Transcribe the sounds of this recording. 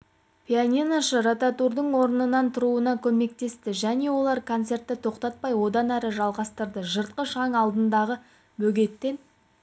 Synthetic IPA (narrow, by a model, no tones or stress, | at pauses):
pʲianʲinaʃəɾat̪at̪uɾd̪əɴwo̞ɾənənɑnt̪ʰʊɾuənɑkʲʰɵme̞k̚t̪e̞st̪ɪʒæne̞wo̞lˠɑɾkʰont̪se̞rt̪ːɪt̪ʰo̞qt̪ɑt̪̚pɑjwo̞d̪ɑnæɾɪʒɑlˠʁɑst̪əɾd̪əʒəɾt̪̚qəʃɑɴɑlˠd̪ənd̪ɑʁə | bɵɡʲe̞t̪ːe̞n